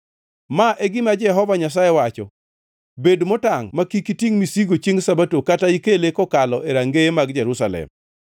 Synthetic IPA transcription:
maʔeɡɪmad͡ʒɛɦɔvaɲas̬ajewat͡ʃɔ | bedmotaŋmakikitiŋmisiɡot͡ʃeŋsabatokataikelekɔkalɔʔeɾaŋɡemaɡd͡ʒɛɾusalɛ̰m

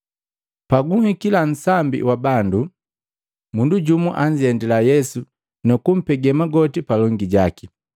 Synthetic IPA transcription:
paɡuhikilan̩sambḭwabandu | munduɟumuʔaɲɟɛndɛlajɛsu | nukum̩pɛɡɛmaɡɔtipalɔŋɡiɟaki

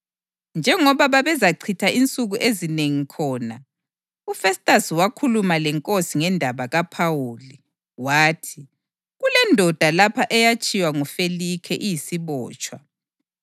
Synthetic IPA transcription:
nd͡ʒʱɛŋɔβaβaβɛzaǀʰitʰaʔint͡sʼuɣuʔezineŋikʰɔːna | ufɛstʼasiwakʰulumalɛŋkʼosiŋɛndʱaβaɣapʰawoːli | waːtʰi | ɣulɛndʱɔd̥ʱalapʰaʔɛjat͡ʃʼiwaŋɔfelikʰɛʔijisiβɔːt͡ʃʼwa

